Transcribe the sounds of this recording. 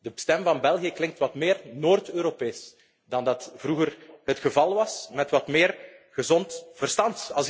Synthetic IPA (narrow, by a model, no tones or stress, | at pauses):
dəstɛmvɑnbɛlˠɣiəklɪŋk̚tʋɑtmɪːrnoːrtøːɾopeːs | dɑndɑtv̥ruɣərɦətxəvɑlˠʋɑsmɛtʋɑtmɪːrɣəzɔntv̥ərstɑntɑlˠs